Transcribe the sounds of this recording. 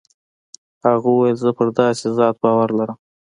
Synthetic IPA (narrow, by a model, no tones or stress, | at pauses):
haɣuwwajəlzəpəɾd̪ɑsɪzɑt̪̚bɑwaɾlaɾəm